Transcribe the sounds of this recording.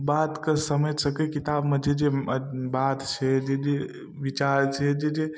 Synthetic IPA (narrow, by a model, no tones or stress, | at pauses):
bat̪kəsəmed͡ʒsəkɛkit̪abmed͡ʒed͡ʒebat̪t͡ʃʰɛd͡ʒed͡ʒe | ʋit͡ʃaɾt͡ʃʰɛd͡ʒed͡ʒe